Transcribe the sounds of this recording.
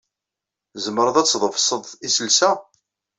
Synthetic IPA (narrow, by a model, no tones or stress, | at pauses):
zəməɾˤəðæt͡sːðˤəvsəðˤisəlsæ